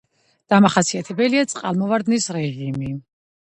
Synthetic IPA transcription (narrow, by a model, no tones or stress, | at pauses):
d̪̥amaχasiat̪ʰɛbɛliat̪sʼqʼa̰lˠmɔvaɾd̪nisɾɛʒimi